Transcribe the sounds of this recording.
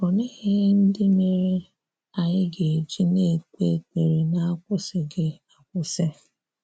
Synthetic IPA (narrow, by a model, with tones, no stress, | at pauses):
ɔ˨nɪ˦ɣɪ˦n̩˦dɪ˦me˨ɾe˦ | a˨ɲɪ˦ɡe˨e˨d͡ʒi˦ne˦˨te˦˨te˨ɾe˨na˦a˦kʷʊ˦sɪ˨ɡe˦a˨kʷʊ˦sɪ˦